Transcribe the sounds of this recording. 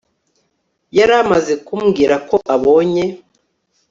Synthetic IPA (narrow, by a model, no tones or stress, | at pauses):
jaɾamaze̞kumɡiːɾako̞ʔaβo̞ːɲe̞